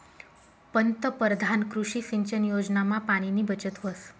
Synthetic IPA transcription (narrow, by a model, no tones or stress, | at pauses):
pənt̪əpəɾd̪ʱankɾuʂisiɲt͡ʃənjod͡ʒnamãpaɽ̃inibət͡ʃət̪ʋəs